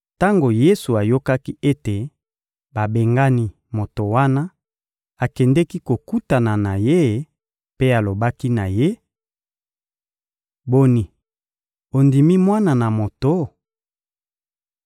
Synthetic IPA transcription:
ta˦ŋɡo˨je˦su˨a˨jo˦ka˦ki˦e˦te˨ | ba˨be˨ŋɡa˦ni˦ | mo˨to˨wa˦na˦ | a˨kɛ˨ndɛ˦ki˦ko˨ku˦ta˨na˨na˨je˦ | pe˦a˨lo˨ba˦ki˦na˨je˦ | bo˦ni˨ | o˨ndi˨mi˦mwa˦na˨na˨mo˨to˦

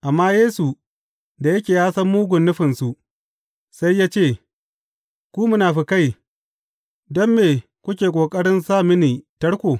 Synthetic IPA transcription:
ʔa˨mːaː˦jeː˦su˨ | da˨jɐ˦kʲeː˨jaː˦sɐ˦mːuː˦ɡʷʊ˨nːʊ˦ɸɪ˨nsu˨ʔ | sa˦jːaː˦t͡ʃeː˦˨ | kʷuː˦mʊ˦naː˨ɸi˦ka˦˨j | dɔ˦mːeː˨ | kʷʊ˦kʲeː˨kʷʼoː˨kʼɐ˦ɽɪ˦nsaː˦˨mɪ˦niː˨tɐ˦ɽkʷoː˨

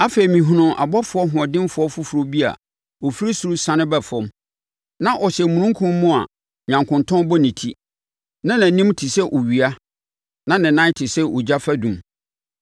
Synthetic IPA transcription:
a˦fe˨i˨mĩ˨ɦũ˨nʊ̃˨ʔa̰˨bɔ˦fʊ˨˦ɔ˦ɦʊ̃˨ɔ˨dɪ̃˦m˦fʊ˨ɔ˦fʊ˦fu˨ɾo˨˦bi˦a̰˨ | ɔ˨fi˦ɾi˦su˨ɾu˦sã˦nɪ̃˦bɛ˨fɔ̃˦m | nã˦ʔɔ˨ɕɛ˨mũ˨nũ˦ŋkʰũ˦mː˦ʊ̃˦a̰˨ | ɲã˨ŋkʰʊ̃˨ntʰɔ̃˦n˦bɔ˦nĩ˨tʰi˦ | nã˦nã˨nĩ˦mtʰi˨sɛ˦ʔo˨ɥi˨a˦ | nã˦nɪ̃˨nã˦tʰɪ˨sɛ˦ʔo˨d͡ʑa˦fæ˦dũ˨m

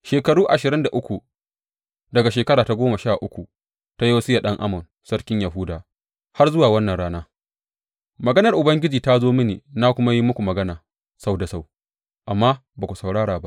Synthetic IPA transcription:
ʃeː˨kɐ˨ɽuː˦ʔa˨ʃɪ˨ɾɪ˦nda˨ʔʊ˦kʷu˨ | dɐ˨ɡa˨ʃeː˨kɐ˦ɾaː˨ta˦ɡʷoː˦mɐ˨ʃaː˦˨ʔʊ˦kʷu˨ | ta˦ji˦wa˦sɪ˦ja˨ɗɐ˦ŋʔa̰˦mʊ˨n | sɐ˦ɽkʲɪ˦ɲja˨ɦuː˦daː˨ | ha˦rzʊ˦waː˨wɐ˦nːɐ˨nɽaː˦naː˦ | mɐ˨ɡɐ˦nɐ˨rʔʊ˨bɐ˦ŋɡʲɪ˦d͡ʒiː˨ta˦zoː˦mɪ˦nḛː˨na˦kʷʊ˦ma˦ji˦mʊ˦kʷu˨mɐ˨ɡɐ˦naː˨ | sa˦wda˨sa˦˨w | ʔa˨mːaː˦baː˨kʷu˨sɐ˨wɽaː˦ɽaː˨ba˦ʔ

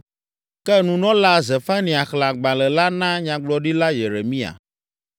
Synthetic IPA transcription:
kɛ˦nũ˨nɔ̃˦la˦ze˨fa˦nĩ˨a˨xla˨ɡ͡bã˨lɛ˨la˦nã˦ɲã˨ɡ͡blɔ˨ɖi˦la˦je˨ɾe˨mĩ˦a̰˨

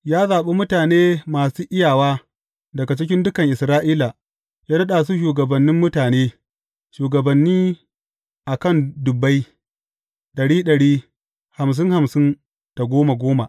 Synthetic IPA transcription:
jaː˦zaː˨ɓe˦mʊ˦taː˨neː˦maː˨suː˦ʔɪ˦jaː˨waː˦ | dɐ˨ɡa˨t͡ʃɪ˦k̬ʲɪ˦ndʊ˦kɐ˨ŋʔɪ˨sɾaː˦ʔiː˦la˨ | ja˦nɐ˦ɗaː˨s̬u˦ʃ̬uː˨ɡɐ˨bɐ˨nːɪ˦mːʊ˦taː˨neː˦ | ʃuː˨ɡɐ˨bɐ˨nːiː˦ | ʔa˨kɐ˦˨ndʊ˨bːa˦j | ɗɐ˨ɽiː˦ɗɐ˨ɽiː˦ | ha˨ms̬ɪ˦ŋha˨msɪ˦n | d̥a˨ɡʷoː˦ma˨ɡʷoː˦ma˨ʔ

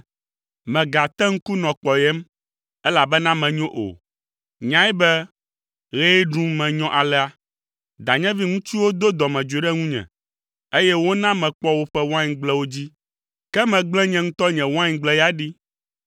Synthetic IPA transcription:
mɛ̃˨ɡa˨t̪ɛ˦ŋ̩˦ku˦nɔ̃˨k͡pɔ˨jɛ˦m | ɛ˦la˨bɛ˦nã˦mɛ̃˨ɲɔ̃˦ʔo̰˨ | ɲã˦i˦bɛ˦ | ɣɛ˦i˦ɖũ˦mɛ̃˨ɲɔ̃˦ʔa˨lɛ˦a˦ | d̪a˨ɲɛ̃˦vi˦ŋũ˦t͡ɕi˦wo˦d̪o˦d̪ɔ˨mɛ̃˨d͡ʒu˨e˨ɖɛ˦ŋũ˦ɲɛ̰̃˨ | e˦jɛ˦wo˦nã˦mɛ̃˨k͡pɔ˦wo˦ɸɛ˦wo˦ã˦ɲĩ˨ɡ͡blɛ˦wo˦d͡ʑi˦ | kɛ˦mɛ̃˨ɡ͡blɛ̃˦ɲɛ̃˨ŋ̩̃˦t̪ɔ˦ɲɛ̃˨wã˦ɲ˨ɡ͡blɛ˦ja˦ɖi˦

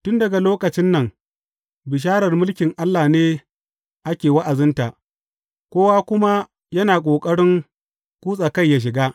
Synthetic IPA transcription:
tʊ˦ndɐ˨ɡa˨loː˦kɐ˨t͡ʃɪ˦nːɐ˨ŋ | bɪ˨ʃ̬aː˦ɽɐ˨rmʊ˦lkʲɪ˨ŋʔa˦lːaː˨neː˦ | ʔa˦kʲeː˨wa˦ʔa˨zɪ˦nta˨ | kʷoː˦waː˦kʷʊ˦ma˦ | jɐ˦naː˨kʷʼoː˨kʼɐ˦ɽɪ˦ŋ | kʷuː˦sʼa˨kɐ˦˨jːa˦ʃ̬ɪ˨ɡaː˦

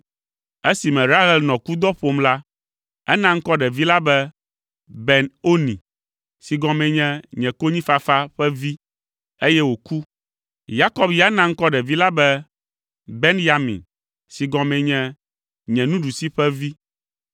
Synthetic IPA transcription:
e˦si˨mɛ̃˨ɾa˦ɦɛ˦lnɔ̃˨ku˦d̪ɔ˦ɸo˨mla˦ | ɛ̰˦nã˦ŋ̩˦kɔ˦ɖɛ˨vi˦la˦bɛ˦ | bɛ˨no˦nḭ̃˨ | si˨ɡɔ̃˨mɛ̃˨ɲɛ̃˦ɲɛ̃˨ko˦ɲĩ˦fa˦fa˦ɸɛ˦vi˦ | e˦jɛ˦wo˨ku˦ | ja˦kɔ˦bja˦nã˦ŋ̩˦kɔ˦ɖɛ˨vi˦la˦bɛ˦ | be˦nja˨mḭ̃˨n | si˨ɡɔ̃˨mɛ̃˨ɲɛ̃˦ | ɲɛ̃˨nũ˦ɖu˨si˦ɸɛ˦vi˦

